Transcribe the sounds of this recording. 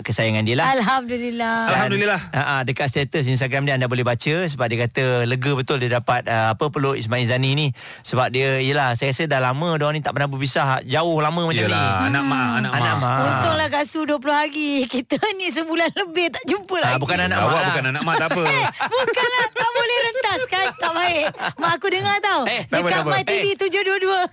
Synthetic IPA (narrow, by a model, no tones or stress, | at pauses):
kəsajaŋandiəlaalɦamdulilaalɦadulilaaʔadəkat̪st̪et̪əs̬ins̬t̪aɡɾamdiəandabolɛhbat͡ʃəs̬əbap̚diəkat̪ələɡəbət̪ʊldiədapat̪̚əapəpəloʔismainzanini | səbap̚diəijəlahsajəkasədaɦlamə̃doanit̪aʔpənabəbisahd͡ʒaʊhlamə̃majt͡ʃaianamaanaanaʔmaot̪ʊŋlahɡasuduəp̬lʊhɦaɡikit̪ənis̬əbulanləbɪht̪aʔd͡ʒumpəlabukananaʔaabukananaʔmaəɛbukanlat̪aʔbolɛɾənt̪askant̪aʔbaɪʔmaakudəŋat̪audəkamajtivit̪ud͡ʒohduəduə